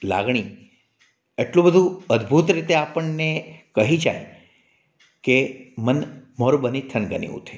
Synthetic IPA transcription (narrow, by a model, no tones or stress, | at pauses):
la̰ɡɳ̃i | eʈlũbəd̪ʱũəd̪bʱut̪ɾit̪eapəɳnekəɦid͡ʒa̰j | kemənmoɾubənit̪ʰənɡənḭṵt̪ʰe